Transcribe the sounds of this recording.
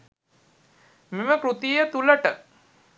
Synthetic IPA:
meməkɾut̪ijət̪uləʈə

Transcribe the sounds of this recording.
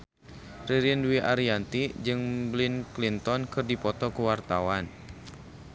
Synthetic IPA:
riɾinduwiʔaɾiant̪id͡ʒɨŋblinklint̪ɔnkɨrdipɔt̪ɔkuwart̪awan

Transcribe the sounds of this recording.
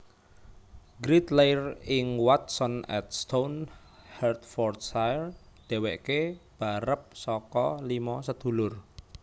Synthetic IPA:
ɡɾit̪lejrɪŋwat̪̚sɔnɛ̰t̪̚st̪on | hɛrt̪fɔrt̪sajr | d̪̥e̤wɛʔkeb̥a̤ɾəp̚sɔkɔlimɔsəd̪̥ṳlʊr

